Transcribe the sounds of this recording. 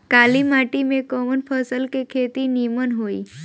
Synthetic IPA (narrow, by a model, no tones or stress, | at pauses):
kalimaʈimekɔmənpʰəsəlkekʰet̪inimənɦoḭ